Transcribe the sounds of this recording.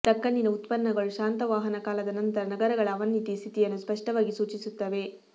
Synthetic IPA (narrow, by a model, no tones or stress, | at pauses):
t̪ɐkːɐnːinɐut̪pɐnːɐɡɐɭuʃaːnt̪ɐʋaːɦɐnɐkaːlɐd̪ɐnɐnt̪ɐɾɐnɐɡɐɾɐɡɐɭɐːʋɐnːit̪ist̪ʰit̪ijɐnːuspɐʂʈɐʋaːɡisuːt͡ʃisut̪ːɐʋe̞